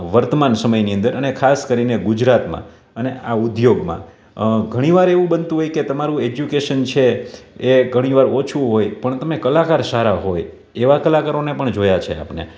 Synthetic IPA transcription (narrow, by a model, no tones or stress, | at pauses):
ʋəɾt̪əmansəməjniə̃nd̪əɾənekʰaskəɾineɡʊd͡ʒɾat̪mã̰ | əneʔaʊd̪joɡmã̰ | ɡʱəɽ̃iʋaɾeʋũbənt̪ũɦojket̪əmaɾũed͡ʒjukeʃənt͡ʃʰeeɡʱəɽ̃iʋaɾot͡ʃʰuɦojpəɳt̪əmekəlakaɾsaɾaɦoj | eʋakəlakəɾonepəɳd͡ʒojat͡ʃʰea̰pnḛ